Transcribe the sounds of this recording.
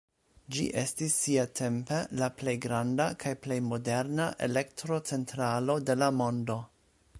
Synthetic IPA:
d͡ʒḭʔestisːiatʰe̞mpelaple̞jɡɾandakʰajple̞jmo̞de̞ɾnaʔḛlektɾo̞t͡se̞ntɾalo̞de̞lamo̞ndo̞

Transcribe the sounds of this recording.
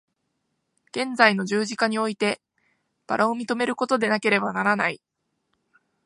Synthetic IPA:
ɡ̥ẽ̞nd͡zaino̞ʑɨːʑikaɲ̟io̞it̪e̞ | b̥aɾʔaomʲit̪o̞me̞ɾɯ̟ko̞t̪o̞d̪e̞nake̞ɾe̞banaɾanai

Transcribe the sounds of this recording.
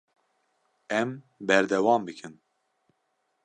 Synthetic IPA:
ɛm | bɛɾd̪ɛwɑːmbɨkʰɨn

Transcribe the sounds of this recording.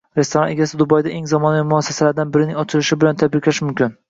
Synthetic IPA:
ɾe̞st̪ʰo̞ɾɒneɡʲasɪd̪ʊbɒjd̪aʔe̞ŋzɒmɒnavɪmʊasːḁsalaɾd̪anbɪɾɪnɪŋɒt͡ʃʰɪlɪʃɪbɪlant̪ʰad̪bɪkʰlaʃmʊmkʲʰɪn

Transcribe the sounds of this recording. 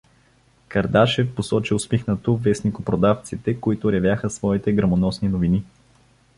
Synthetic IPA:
kɐɾd̪aʃɛfposɔt͡ʃiʊspixnət̪ovɛsnikopɾod̪aft̪sit̪ɛkoit̪ʊɾɛvjaxəsvɔit̪ɛɡɾɐmonɔsninovini

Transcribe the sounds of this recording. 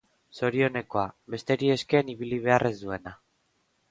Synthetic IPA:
so̞ɾio̞ne̞ko̞aβe̞st̪e̞ɾie̞ske̞ːniβiliβ̞e̞arʔe̞zd̪ue̞na

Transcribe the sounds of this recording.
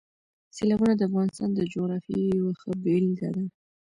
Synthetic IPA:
selɑbunad̪əafɣɑnɪst̪ɑnd̪əd͡ʒoɣɾɑfjijawaxəbelid̪a̰d̪a

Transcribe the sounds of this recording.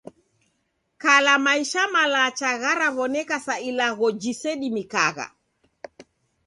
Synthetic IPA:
kalamaiʃamalaːt͡ʃaɣaɾaβɔnɛkasailaɣɔd͡ʒisɛɗimikaɣa̰

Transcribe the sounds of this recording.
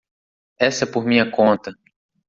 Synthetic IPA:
ɛsɐɛpoɾmĩɲɐkõnt̪ɐ

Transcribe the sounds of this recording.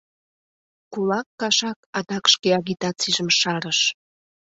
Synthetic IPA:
kulɑkːɑʃɑkɑd̪ɑkʃkeɑɣit̪ɑt͡siʒəmʃɑɾəʃ

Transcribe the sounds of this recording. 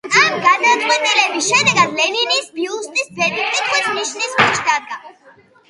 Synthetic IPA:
amɡad̪at̪sʼwɛt̪ʼilɛbisʃɛd̪ɛɡad̪lɛninisbiust̪ʼisbɛd̪ikʼit̪ʰχwisniʃnismʰɔʃd̪ad̪̚ɡa

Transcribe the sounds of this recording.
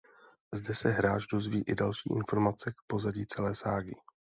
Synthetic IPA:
zdɛsɛɦɾaːd͡ʒdo̞zviːʔɪdalʃḭːʔɪnfo̞ɾmat͡sɛk̚po̞zaɟiːt͡sɛlɛːsaːɡɪ

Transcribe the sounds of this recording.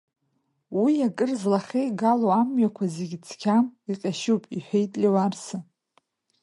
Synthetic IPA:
wiakʼɨrzlaχʲejɡaloamɥakʷʰazeɡʲt͡sʰkʲʰamiqʲʼaʃupʼiħʷᶣejtʼlʲewarsɨ

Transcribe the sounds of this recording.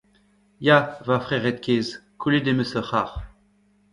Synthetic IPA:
javafχɛʁɛt̪̚kʲezkuled̪eməsəχaʁ

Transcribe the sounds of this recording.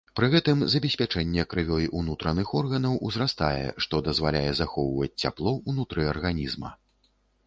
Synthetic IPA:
pɾɨɣɛt̪ɨmzɐbʲɛsʲpʲat͡ʂɛnʲːɛkɾɨvʲɔjiʔunut̪ɾɐnɨxɔrɣɐnɐwuzɾast̪a̰jɛ̰ʂt̪ɔd̪ɐzvalʲajɛzaxɔwvɐt͡sʲt͡sʲːa̰plˠɔunut̪ɾɨɐrɣanʲizmɐ̰

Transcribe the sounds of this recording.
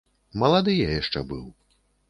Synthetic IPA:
mɐlˠad̪ɨjajaʂt͡ʂɛbɨw

